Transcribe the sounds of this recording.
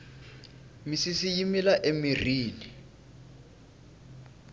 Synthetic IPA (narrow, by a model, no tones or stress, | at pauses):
misisijimilaʔemiriːni